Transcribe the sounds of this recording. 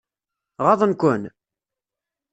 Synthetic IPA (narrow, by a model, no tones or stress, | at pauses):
ʁɑðˤənkʷʊn